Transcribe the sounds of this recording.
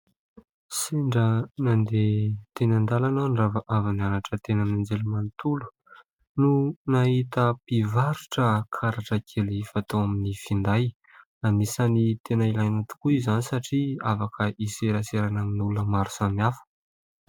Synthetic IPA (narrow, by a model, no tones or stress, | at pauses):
siɳɖ͡ʐənand̪et̪enand̪alanaɳɖ͡ʐavaʔavananaʈ͡ʂət̪enamnand͡zelumant̪ulu̥ | nunaɦit̪əpivaɾuʈ͡ʂəkʰaɾaʈ͡ʂəkʰelifat̪owaminifind̪aj | anisanit̪ʰenailajnat̪u̥kuizanisaʈ͡ʂiafakʰəʔiseɾaseɾanaminuləmaɾu̥samafə̥